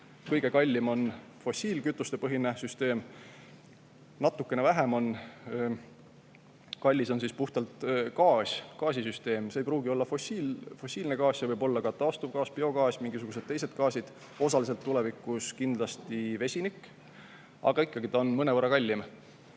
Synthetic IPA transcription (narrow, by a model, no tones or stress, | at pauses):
kɤjɡ̥e̞kɑlʲːimo̞n | fo̞sʲiːlkyt̪ːˑust̪e̞pɤɦinesyst̪e̞ːm | nɑt̪ːˑukːˑe̞nevæɦe̞mo̞n | kɑlʲːiso̞nsispuht̪ɑlt̪kɑːsʲkɑːs̬ʲisyst̪e̞ːmseːjpruːɡio̞lːɑfoifo̞siːlʲne̞kɑːssevɤjbo̞lːɑkɑt̪ɑːst̪uvɡɑːspeo̞ɡɑːsmiŋɡisuɡ̥use̞d̪̥̚t̪ːe̞jse̞d̪̥kɑːsid̪̥ | o̞sɑlis̬e̞lt̪ːule̞vikːˑuskind̪̥lɑst̪ive̞sʲinikː | ɑ̰ɡ̥ɑikːɑɡ̥it̪ɑonmɤne̞vɤrːɑkɑlʲːim